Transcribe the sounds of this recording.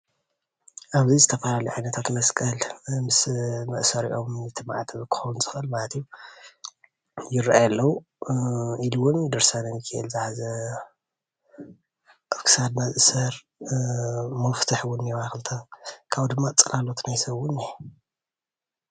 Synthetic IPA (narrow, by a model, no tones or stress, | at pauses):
ʔaβzizɨt̪ʰɐfɐlaliʕajnɐt̪ʰat̪ʰmɐskʼɐlmɨsmɐʔsɐɾiʔo̞mɨt̪ʰɨmaʕt̪ʰβɨkːɨ̥xɐwunzɨxʔɨlmalɐt̪ijːu | jɪɾʔajalːɐwu | ʔiluwʊnd̪ɨɾsanɐmikʰaʔɨ̰lzɨħazɐ | ʔaβkʰɨ̥sad̪nazɨʔɨsɐɾ | mɐft̪ʰɨħwʊnːɛwaxɨlt̪ʰakʰaβd̪ɨmːat͡sʼɐlalo̞t̪ʰnajsɐβʊni